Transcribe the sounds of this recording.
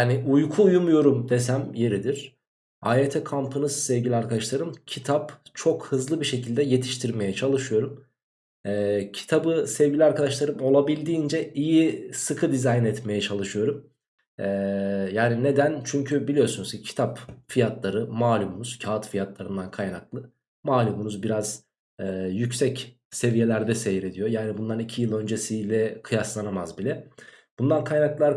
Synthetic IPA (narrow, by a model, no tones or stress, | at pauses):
jaːniʔujkʰuːjumujo̞ɾumd̪e̞sæmje̞ɾid̪iɾ̥ | aːjet̪ʰɛkʰampʰɯnɯzsɛvɡɟilʲiaɾkad̪aʃlˠaɾɯmcʰit̪ʰapt͡ʃʰo̞khɯzlˠɯbiʃe̞cʰilʲd̪ɛje̞t̪ʰi̥ʃt̪ʰiɾme̞jɛt͡ʃʰalˠɯʃɯjo̞ɾum | ɛːcʰi̥t̪ʰabɯsɛvɟilʲiaɾkʰad̪aʃlˠaɾɯmo̞lˠabilʲd̪iːnd͡ʒɛijisɯkʰɯd̪izajnɛt̪me̞jɛt͡ʃʰalˠɯʃɯjo̞ɾum | ɛːjaːnine̞d̪ænt͡ʃʰyɲcʰybilʲijo̞sunusɛcʰi̥t̪ʰapfijat̪lˠaɾɯmaːlʲumunuz̥cʰaːt̪fijat̪lˠaɾɯnd̪ankʰajnaklˠɯ | maːlʲumunuzbiɾaz̥ | ɛːjycsɛc | se̞vije̞lʲæɾd̪ɛsejiɾe̞d̪ijojaːnibund̪anicʰijɯlˠø̞nd͡ʒesijlʲɛkʰɯjaslˠanamazbilʲɛb̥und̪ankʰajnaklˠaɾ